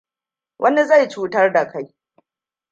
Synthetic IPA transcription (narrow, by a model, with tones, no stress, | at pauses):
wʔɐ˦ni˦za˦˨jt͡ʃuː˦tɐ˦rda˨kʰa˦j